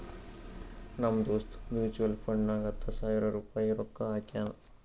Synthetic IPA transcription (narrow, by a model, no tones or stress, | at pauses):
nɐmd̪oːst̪mjuːt͡ʃuʋɐlpʰɐɳɖnaːɡɐt̪ʰːɐsaːjiɾɐɾuːpaːjiɾɔkːɐaːkaːnɐ